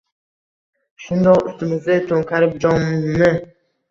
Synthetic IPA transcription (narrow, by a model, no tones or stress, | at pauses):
ʃʊnd̪ɒqʊ̰st̪ɪmɪzd̪at̪ʰoŋkʰʲaɾɪp̚d͡ʒɒnmɪ